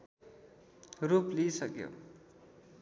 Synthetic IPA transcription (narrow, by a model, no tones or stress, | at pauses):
ruplisʌkjo̰